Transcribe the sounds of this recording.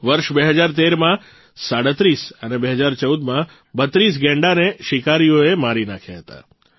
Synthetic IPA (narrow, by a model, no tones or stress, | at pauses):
ʋəɾʃbeɦəd͡ʒaɾt̪eɾmã | saɽət̪ɾisənebeɦəd͡ʒaɾt͡ʃəud̪mã | bət̪ɾis̬ɡɛ̃ɳɖaneʃɪkaɾijoemaɾina̰kʰja̰ɦət̪a̰